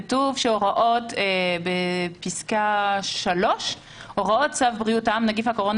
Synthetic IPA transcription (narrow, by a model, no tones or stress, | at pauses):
tuvʃeoʁaʔo̞tebepiskaʃalo̞ʃ | ʔoʁao̞t̚t͡savbʁiutaamnaɡifhakoʁo̞n